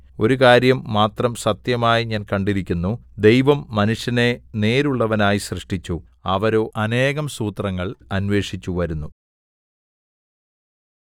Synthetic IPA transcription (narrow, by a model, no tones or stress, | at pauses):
o̞ɾukaːɾjɐmːaːt̪rɐmsɐt̪jɐmaːjiɲaːnkɐɳɖiɾikʲːunːud̪e̞jʋɐmːɐnuʂjɐne̞ne̞ːɾuɭːɐʋɐnaːjiɕrɨʂʈit͡ɕːu | ɐʋɐɾo̞ːʔɐne̞ːɣɐmsuːt̪rɐŋːɐɭɐnʋe̞ːʂit͡ɕːuʋɐɾunːu